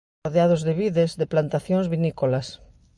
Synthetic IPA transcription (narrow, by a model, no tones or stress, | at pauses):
ɾðeaðʊzðeβiðezðeplant̪aθjõŋzβinikolas